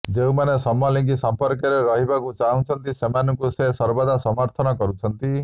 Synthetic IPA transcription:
d͡ʒeũmanesɔmɔliŋkisɔmpɔɾkɔɾeɾɔɦibakut͡ʃaɦw̃t͡ʃʰɔnt̪isemanɔŋkusesɔɾbad̪asɔmɔɾt̪ʰɔnɔkɔɾut͡ʃʰɔnt̪i

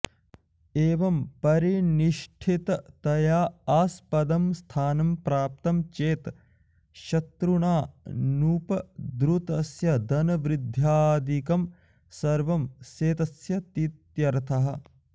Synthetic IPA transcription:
eːʋɐmpɐɾiniʃʈʰit̪ɐt̪ɐjaːaːspɐd̪ɐmst̪ʰaːnɐmpɾaːp̚t̪ɐmt͡ʃeːt̪ | ʃɐt̪ɾuɳaːnuːpɐd̪ɾut̪ɐsjɐd̪ɐnɐʋɾid̪ʱjaːd̪ikɐm | sɐɾʋɐmseːt̪ɐsjɐt̪it̪jɐɾt̪ʰɐɦɐ̆

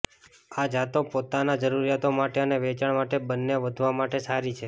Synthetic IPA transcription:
ad͡ʒʱat̪opot̪anad͡ʒəɾuɾijat̪omaʈeəneʋet͡ʃaɳmaʈebənːeʋəd̪ʱʋamaʈesaɾit͡ʃʰe

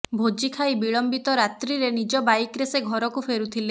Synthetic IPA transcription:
bʱod͡ʒikʰajbiɭɔmbit̪ɔɾat̪ɾiɾenid͡ʒɔbajkɾeseɡʱɔɾɔkupʰeɾut̪ʰile

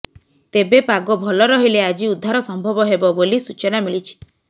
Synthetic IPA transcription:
t̪ebepaɡɔbʱɔlɔɾɔɦilead͡ʒiud̪ʱːaɾɔsɔmbʱɔbɔɦebɔbolisut͡ʃɔnamilit͡ʃʰi̥

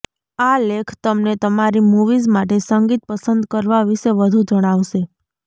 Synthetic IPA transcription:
alekʰt̪əmnet̪əmaɾimuʋizmaʈ̬esəŋɡit̪̚pəsənd̪kəɾʋaʋiʃeʋəd̪ʱud͡ʒəɽ̃aʋʃe

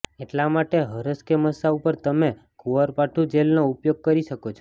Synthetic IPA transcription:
eʈlamaʈeɦəɾəskeməsaupəɾt̪əme | kuʋəɾpaʈʰud͡ʒelnoupjoɡ̚kəɾiʃəkot͡ʃʰo

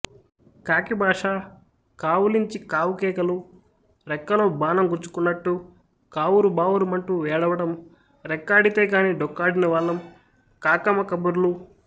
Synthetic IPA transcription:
kaːkibʱaːʂaː | kaːwuliɲt͡ʃikaːwukɛːkɐlu | ɾɛkːɐloːbaːnɐmɡuɾt͡ʃːu̥kunːɐʈːu | kaːwuɾubaːwuɾumɐɳʈuʋɛːɽɐʋɐʈɐm | ɾɛkːaːɖit̪eːkaːniːɖɔkːaːɖinɐʋaːɭːɐm | kaːkɐmɐkɐbuɾlu

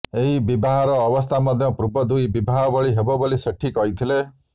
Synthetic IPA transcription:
eɦibibʱaɦɔɾɔːbɔst̪ʰamɔd̪ʱjɔpɾubɔd̪ujbibʱaɦɔbɔɭiɦebɔbɔɭiseʈʰikɔɦit̪ʰile

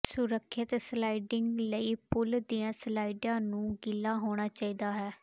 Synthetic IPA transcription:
sʊɾəkʰːɪt̪slaːiɖɪŋɡləiːpʊld̪iːãːslaːɪɖãːnũːɡɪlːaːɦoːɽ̃aːt͡ʃaːiːd̪aːɦɛː

